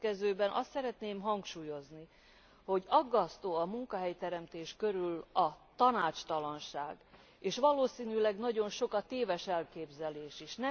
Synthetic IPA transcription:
kɛzøːbɛnʔɒst̪sɛɾɛt̪neːmɦɒŋkʃuːjo̞zni | ho̞ɟɒɡːɒst̪oːɒmuŋkɒɦɛjt̪ɛɾɛmt̪eːʃkø̞ɾylɒt̪ɒnaːt͡ʃt̪ɒlɒnʃaːɡ | eːʃʋɒloːsiːnylɛɡnɒɟo̞nʃo̞kɒt̪eːvɛʃɛlkeːbzɛleːʃiʃnɛ

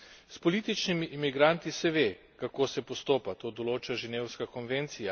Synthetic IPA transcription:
spɔliːt̪it͡ʃnimiʔimiɡɾant̪isɛʋeː | kakoːsɛpɔst̪oːpat̪oːd̪ɔloːt͡ʃaʒɛneːwskakɔnʋent̪sija

